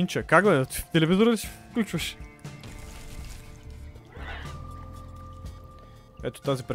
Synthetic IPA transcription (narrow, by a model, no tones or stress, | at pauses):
int͡ʃəkaɡɡlɛd̪ɐt̪ft̪ɛlɛvizoɾəd̪əsi̥fklʲut͡ʃvɐʃ | ɛ̰t̪o̥t̪azipɾ